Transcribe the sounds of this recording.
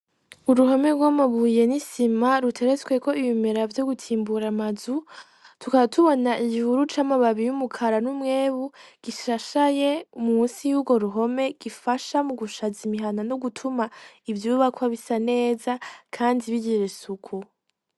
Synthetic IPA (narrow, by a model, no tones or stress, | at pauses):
uɾuɦo̞me̞ɾɡwamaβuːje̞nisimaɾutʰe̞ɾet͡sweko̞iβimeɾavjo̞ɡutʰiːmbuɾamazu | tukaβatʰuβo̞naʔiɟihuɾut͡ʃamaβaβijumukʰaɾanumŋe̞ːβuɡ̥iʃaʃaje̞ummuːsijuːbɡo̞ɾuɦo̞me̞ɡ̥ifaʃamuɡuʃazimiɦananoɡutʰumaivjuːβakwaβisane̞ːzakʰaːndiβiɟiɾesukʰu